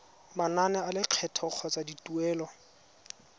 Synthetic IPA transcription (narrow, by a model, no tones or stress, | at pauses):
mananɛalɪq͡χʰɛtʰɔk͡xʰɔt͡saditʼuɛːlɔ